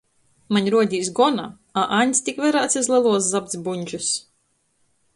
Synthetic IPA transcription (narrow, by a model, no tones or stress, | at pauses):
maɲʲɾuɔd̪ʲiːsɡɔna | aʔaɲʲst̪ikvɛɾaːt̪sizlˠɛlˠuɔs̬zab̚t̪sbuɲʲd͡ʒus